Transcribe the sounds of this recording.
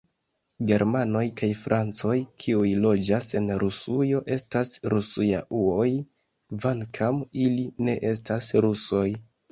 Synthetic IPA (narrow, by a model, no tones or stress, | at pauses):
ɡe̞ɾmano̞jkajfɾʔant͡so̞jkʰiujlo̞d͡ʒase̞nɾusujo̞ʔe̞stasɾusuja̰ʔuo̞j | vaŋkʰamiline̞ʔe̞s̬tasɾuso̞j